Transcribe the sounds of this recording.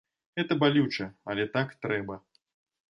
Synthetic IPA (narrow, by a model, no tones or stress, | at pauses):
ɣɛt̪ɐbalʲut͡ʂɐɐlʲɛt̪akt̪ɾɛbɐ